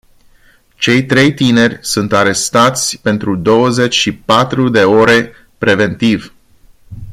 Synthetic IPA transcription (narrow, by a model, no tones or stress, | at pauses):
t͡ʃe̞jt̪ɾe̞jt̪ine̞rʲsunt̪aɾe̞st̪at̪sʲpe̞nt̪ɾud̪o̞wəze̞t͡ʃʲʃipat̪ɾud̪e̞oɾe̞ | pɾe̞ve̞nt̪ivʲ